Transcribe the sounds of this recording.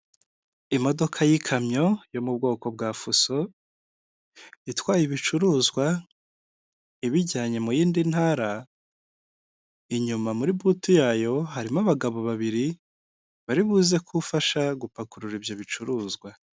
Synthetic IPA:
imo̞do̞kʰajikʰamɲo̞jo̞mubɡo̞ːko̞b̚ɡaːfuso̞ | itwaːjiβit͡ʃuɾuːzɡwa | iβiɟaːɲe̞mujiːndinhaːɾa | iɲumamuɾibutujaːjo̞ɦaɾimaβaɡaβo̞βaβiɾi | βaɾiβuːze̞kʰufaʃaɡupakuɾuɾibjo̞βit͡ʃuɾuːzɡwa

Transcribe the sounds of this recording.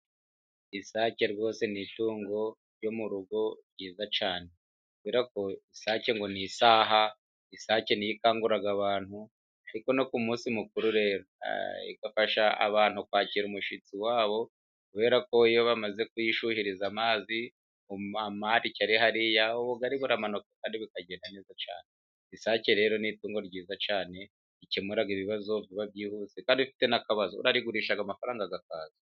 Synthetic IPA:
isaːce̞ɾɡo̞ːse̞nituːŋɡo̞ | ɾjo̞muɾuɡo̞ɾɟiːzat͡ʃaːne̞ | kuβeːɾako̞isaːce̞ŋɡo̞nisaːɦa | isaːce̞nijikaːŋɡuɾaɡaβaːnhu | aɾiko̞no̞kumuːsimukuɾuɾe̞ɾa̰ḭɡafaʃaa̰βaːnhukwaːciːɾumuʃit͡siwaːβo̞ | kuβe̞ːɾako̞ijoβamaze̞kujiʃuhiɾizamaːzi | oamaɾicaɾiɦaɾijaβoβoɡaɾiβuɾamanukakaːndiβikaɟe̞ːndane̞ːzat͡ʃa̰ːne | isaːceɾe̞ɾo̞nituːŋɡo̞ɾɟiːzat͡ʃaːne̞ | icemuɾaɡiβiβazo̞βjiβaβɟiːhuːse̞kaːndiβifi̥te̞nakaβazoṵɾaɾiɡuɾiːʃaɡamafaɾaːŋɡaɡakaːzi

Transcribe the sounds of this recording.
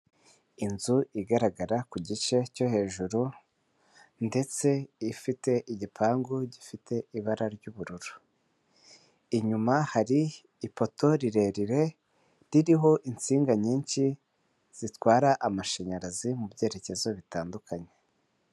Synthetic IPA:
inzuiɡaɾaɡaɾakuɟit͡ʃe̞co̞he̞ːʒuɾu | nde̞t͡se̞ifite̞ʔiɟipʰaːŋɡuɟifite̞ʔiβaɾaɾɟuːβuɾuɾu̥ | iɲumahaɾiː | po̞to̞ɾiɾe̞ɾiɾe̞ | ɾiɾiɦo̞ʔint͡siːŋɡaɲiːɲʃi | z̥itwaːɾaʔamaʃeɲaɾazimubɟe̞ːɾe̞ce̞zo̞βitaːndukʰaɲe̞

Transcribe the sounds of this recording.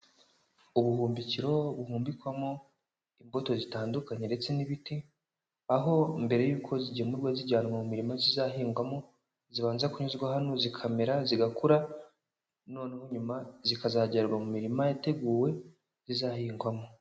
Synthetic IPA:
uβuhuːmbiciɾo̞βuhuːmbikwamo | imbo̞to̞zitaːndukaɲe̞nde̞t͡se̞niβiti | aɦo̞mbe̞ɾe̞juːkʰo̞ziɟiemuɾɡweziɟaːnumamumiɾimazizaɦiːŋɡwamo̞ | ziβaːnzakuɲuzɡwaɦano̞zikʰame̞ɾaziɡakʰuɾa | no̞ːneho̞ɲumazikazaɟaɾɾɡwamumiɾimajate̞ɡuːwe̞ | zizahiːŋɡwamo̞

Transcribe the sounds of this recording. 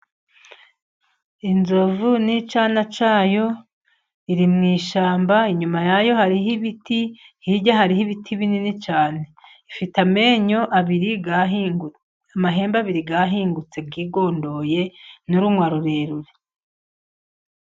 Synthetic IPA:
inzo̞vunit͡ʃaːnat͡ʃaːjo̞ | iɾimŋiːʃaːmbaiɲumajajo̞haɾiɦiβiti | hiɟaɦaɾihiβitʰiβininit͡ʃaːne̞ | ifitameɲo̞ʔaβiɾi | amaɦe̞ːmbaβiɾiɡaɦiːŋɡut͡se̞b̚ɡiːɡo̞ːndo̞je̞nuɾumŋwaɾuɾeɾuɾe

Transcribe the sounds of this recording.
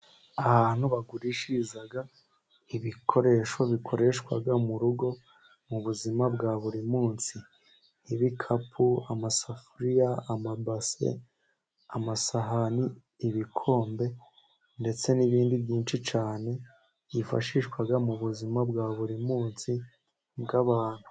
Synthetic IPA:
ahaːn̥huβaɡuɾiʃizaɡa | iβikʰo̞ɾe̞ʃo̞βikʰo̞ɾe̞ʃkwa̰ɡamuɾuɡo̞ | muβuzimab̚ɡaːβuɾimuːnsiː | βikʰapʰuamasafuɾijaamabase̞̰ | amasaɦaniː | βikʰo̞ːmbe̞ | nde̞t͡se̞niβiːndibɟiːnt͡ʃit͡ʃaːne̞ | ifa̰ʃiʃkwaɡamuβuzimabɡaβuɾimuːnsi | bɡaβaːn̥hu̥

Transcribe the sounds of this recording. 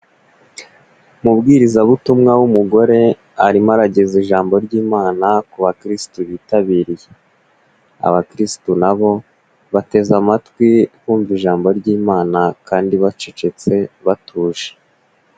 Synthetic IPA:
mubɡiːɾizaβutumŋawumuɡo̞ɾe̞ | aɾimaɾaɟeziʒaːmbo̞ɾɟiːmaːnakuβakɾistuβiːtaβiːɾije | a̰βakɾistunaβo̞ | βate̞zamatwikuːɱviʒaːmbo̞ɾɟiːmaːnakaːndiβat͡ʃet͡ʃe̞t͡se̞βatʰuːʒe̥

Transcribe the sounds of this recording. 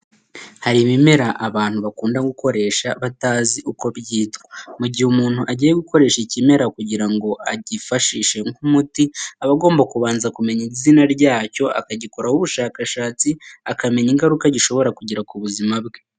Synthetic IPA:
haɾimime̞ɾaʔːβaːn̥huβakuːndaɡuko̞ɾe̞ːʃaβataːziʔuko̞bɟiːtɡomuɟihumuːn̥huʔaɟiːjeɡuko̞ɾe̞ːʃicime̞ɾakuɟiɾaŋɡo̞ʔaɟifaʃiːʃe̞ŋumutiaβaɡo̞ːmbakuβaːnzakume̞ɲizinaɾɟaːco̞a̰kaɟiko̞ɾahuβuʃaːkaʃaːt͡siakame̞ɲiŋɡaɾukaɟiʃo̞βo̞ɾakuɟiɾakuβuzimabɡe

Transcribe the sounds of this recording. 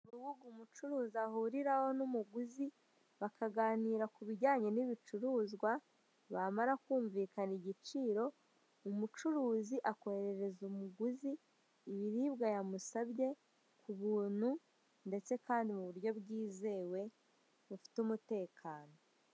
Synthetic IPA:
uɾɾuβuɡumut͡ʃuɾuːziahuɾiɾaho̞numuɡuzi | βakaɡaːniːɾakuβiɟaːɲe̞niβit͡ʃuɾuːzɡwa | βamaɾakuːɱviːkaniɟit͡ʃiːɾo̞ | umut͡ʃuɾuːziʔako̞heɾe̞ɾe̞zumuɡuziː | βiɾiːbɡajamusaβɟe̞ | kʰuβuːn̥hu | nde̞t͡se̞kaːndimuβuɾɟo̞βɡiːze̞ːwe̞ | βufi̥tumute̞ːkʰaːno̞

